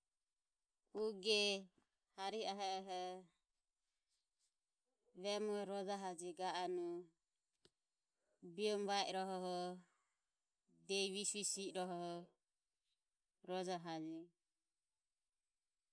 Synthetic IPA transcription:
uɡɛ | haɾiaɦɛɦɛ | βɛmuɛɾɔd͡ʒaɦad͡ʒiɡaʔanu | biɔmβaɛʔɾɔɦɔɦɔ | d̪ɛiβisisiɾɔɦɔhɔ | ɾɔd͡ʒaɦad͡ʒi

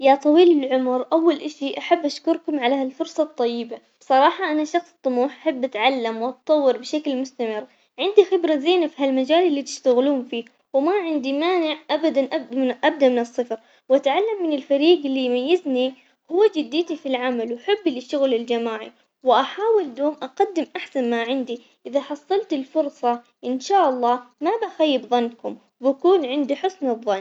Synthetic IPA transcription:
jat̪ˤɑwiːlɪlʕʊmɾʔawːalʔaʃiʔaħabːʔaʃkʊɾkʊmʕalahalfʊɾsˤɑt̪ˤːɑjːɪba | b̥sˤɑɾˤɑːħɑʔanaʃɑxsˤt̪ˤːʊmuːħʔaħabːʔat̪ʕalːamwʔɑt̪t̪ˤːɑwːɪɾbɪʃaklmʊst̪amɪr | ʕɪnd̪ixɪbɾazeːnafiɦalmad͡ʒaːlɪlːit̪ɪ̥ʃt̪aɣluːmfiː | wɪmaʕɪnd̪imaːnɪʕʔabad̪anʔaʔab̚d̪amɪnɨsˤːɨfɾ | wʔat̪ʕalːamːɪnɪlfaɾiːɡɪlːijmajːɪzni | hʊwːad͡ʒɪd̪ːiːt̪ifilʕamalwħabːɪlɪʃʊɣlɪld͡ʒamaːʕḭ | wɪʔaħaːwɪld̪oːmʔaqɑd̪ːɪmʔaħsanmaʕɪnd̪i | ʔɪðaħɑsˤːɑlt̪ɪlfʊɾˤsˤɑ | ʔɪnʃaːʔɑlˤːɑːmabʔaxajːɪbðˤɑnːkʊm | wbakuːnʕɪnd̪iħʊsnɨðˤːɑnː

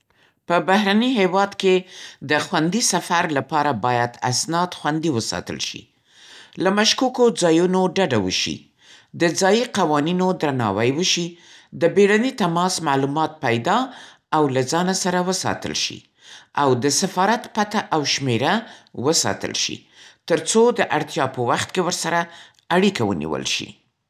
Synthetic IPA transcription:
pəbaɦɾaniɦewɑd̪ked̪əxwand̪isafaɾlapɑɾabɑjad̪a̰snɑd̪xwand̪iwəsɑ̰t̪ə̰lʃḭ | lamaʃkukod͡zɑjunoɖaɖawə̰ʃḭ | d̪əd͡zɑjiqawɑninod̪ɾanɑ̰wajwəʃi | d̪əbeɽanet̪amɑsmalumɑt̪̚pajd̪ɑ | awlad͡zɑnasaɾawəsɑ̰t̪ə̰lʃḭ | awd̪əsafɑɾat̪pat̪aʔawʃmeɾawəsɑ̰t̪ə̰lʃḭ | t̪əɾt͡sod̪əʔaɽt̪jɑpəwaxt̪kewəɾsaɾa | aɽikawə̰nḭwə̰lʃḭ

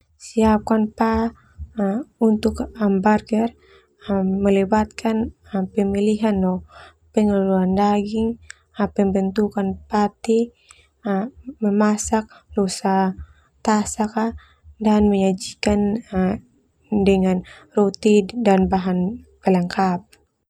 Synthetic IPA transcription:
siap̚kanpa | unt̪ukambarɡɛr | məlɛbat̪̚kʰan | pɛmiliɦanːɔ | pɛŋluluandaɡiŋ | apɛmbənt̪ukanpat̪i | məmasak̚lɔsa | t̪asaka | danmɛɲad͡ʒikan | dɛŋanrɔt̪idanbaɦanpɛlaŋkap̚

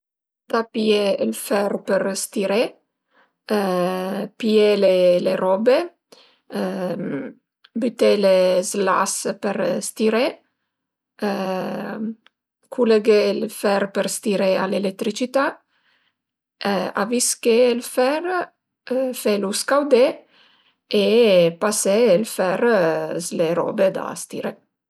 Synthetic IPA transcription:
d̪̥apieːlfɛɾpeɾst̪iɾe | pieleleɾɔbe | byt̪elezla̰speɾst̪iɾe | kʰuleɡelfɛɾpeɾst̪iɾea̰lelek̚t̪ːɾit͡ʃit̪a | a̰viskeːlfɛɾ | feluskawd̪e | epaseːlfɛɾzleɾɔ̰bed̪a̰st̪iɾe

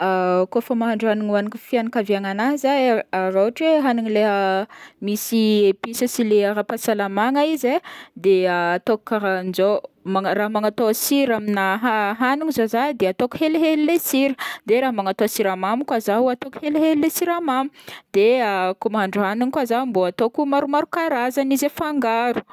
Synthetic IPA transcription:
akofəmaɦaɳɖ͡ʐaniŋanikifianakaviaŋanazaaɾoaʈ͡ʂweɦanuŋileɦəmisiepisəsileaɾapasalamaŋaized̪eaat̪oku̥kaɾanzomaraɦmaŋat̪oasiɾaminaɦaɦanuŋizozad̪eat̪oku̥heleɦelilesiɾəd̪eɾaɦmaŋat̪oasiɾamamukwazaɦuat̪oku̥heleɦellesiɾamamud̪eakumaɳɖ͡ʐuɦanuŋkwazamboat̪okumaɾumaɾukaɾazanizefaŋɡaɾu̥

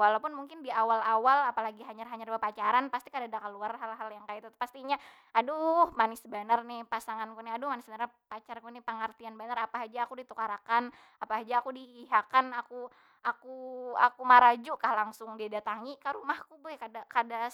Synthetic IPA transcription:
walapʊnmuŋkɪndiawalawalapalaɡiɦaɲarɦaɲarbəpat͡ʃaɾanpast̪ikadadakəluarɦalɦaljaŋkaɪt̪at̪past̪iɲa | aduhmanɪsbənarnɪhpasaŋankunɪadʊhmanɪsbənarpat͡ʃarkunɪpəŋərt̪ianbənarapaɦad͡ʒaːkudit̪ukaɾakan | apaɦad͡ʒaːkudiːɦakanaku | akua̰kumaɾad͡ʒukahlaŋsʊŋdidat̪aŋikəɾumahkubuɛkadakada

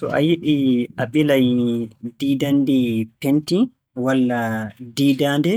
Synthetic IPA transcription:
tɔ̰ʔa̰jiɗiʔaɓilajdiːdandipenti | walːadiːdaːndɛ

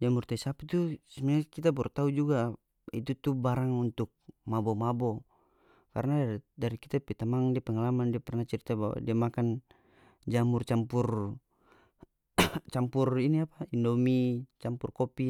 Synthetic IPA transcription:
d͡ʒamurt̪aisapit̪usɛmiakit̪abɔɾut̪aud͡ʒuɡa | it̪ut̪ubaɾaŋunt̪uk̚mabɔmabɔ | ka̰rnadaɾikit̪apit̪amaŋdiapɛŋalamandiapɛrnat͡ʃɛɾit̪aba̰wa̰diamakan | d͡ʒamurt͡ʃampur | t͡ʃampuriniapaindɔmit͡ʃampurkɔpi

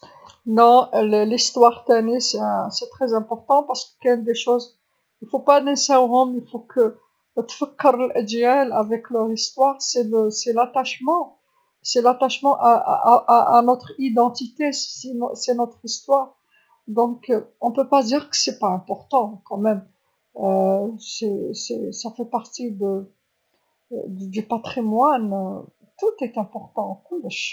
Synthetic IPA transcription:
nɔ̃ləlist̪waʁt̪ɛnisɛ̃sɛt̪χɛzɛ̃pɔʁt̪ɑ̃paʁsə̥kə̥kɛynd̪eʃoz | ilfopanɛ̃sɛ̃ʁɔ̃milfokʰə | t̪fəkːəɾlʔæd̪iɛlavɛklœʁist̪waʁsɛləsɛlat̪aʃmɑ̃ | sɛlat̪aʃmɑ̃ʔa̰ʔaanɔt̪χid̪ɑ̃t̪it̪esɛnsɛnɔt̪χist̪waʁ | d̪ɔ̃kɔ̃pøpad̪iʁkə̥sɛpaɛ̃pɔʁt̪ɑ̃kɑ̃mɛm | sɛsɛsafɛpaʁt̪id̪ə | d̪d̪ypat̪χimwan | t̪ut̪ɛt̪ɛ̃pɔʁt̪ɑ̃kulʃ

